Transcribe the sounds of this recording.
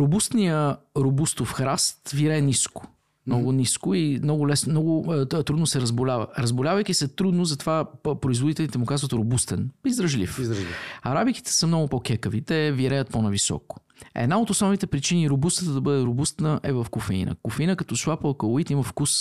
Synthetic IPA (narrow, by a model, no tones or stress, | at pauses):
ɾʊbust̪nijəɾobust̪ofxɾast̪viɾɛːniskʊ̥ | mnɔɡʊniskʊimnɔɡʊlɛsnmnɔɡʊt̪ɾud̪nʊsɛɾəzbʊlʲavə̰ɾəzbʊlʲavəjk̟isɛt̪ɾud̪nozɐt̪ovapɾoizvod̪it̪ɛlit̪ɛmʊkazvət̪ɾobust̪ɛnizd̪ɾəʒlḭfʒiɐɾabiki̥t̪ɛ̥səmnɔɡʊpɔkʲɛkəvit̪ɛviɾɛjət̪̚ponɐvisɔ̰kʊ̥ | ɛ̰d̪naot̪osnɔvnit̪ɛpɾit͡ʃiniɾobust̪ət̪əd̪ɐbɤd̪ɛɾobust̪nəʔɛvɐfkʊfɛḭnə̰kʊfɛinəkɐt̪ɔslˠapəkəlˠʊit̪iməfkus